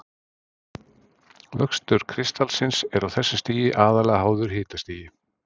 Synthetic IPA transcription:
vœkst̪ʏɾ̥kʰɾɪst̪alsɪnsɛɾawθɛsːʏst̪iːjɪʔaːðalɛɣaɦaːwðʏɾ̥hɪːt̪ast̪iːjɪ

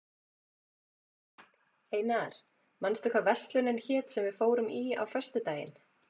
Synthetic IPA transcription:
heːjnaɾ̥ | manst̪ʏkʰvavɛr̥st̪lʏnɛnçɛːt̪sɛmvɪðfoːwɾʏmiːa̰wfœr̥st̪ʏt̪aːjɪ̰n

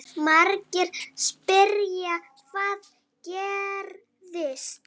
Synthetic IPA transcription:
maɾcɪɾ̥spɪɾja | kvaːð | cɛːɾ | ðɪst̪

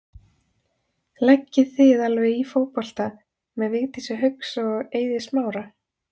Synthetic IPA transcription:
lɛcːɪθɪðalvɛifoːwpɔl̥t̪a | mɛðvɪɣt̪isɛɦʏksɔeːjðɪsmaːwɾa

